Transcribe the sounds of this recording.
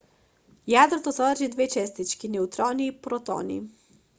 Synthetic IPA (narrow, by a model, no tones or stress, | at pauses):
jad̪ɾɔt̪ɔsɔʋəɾʒid̪ʋet͡ʃɛst̪it͡ʃkinɛut̪ɾɔnipɾɔt̪o̰ːnḭ